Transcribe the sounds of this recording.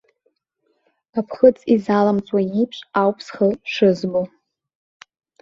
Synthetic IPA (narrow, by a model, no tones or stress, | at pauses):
apʰχət͡sʼizalamt͡sʼwajipʂʷʼawpʰsχəʂɨzbo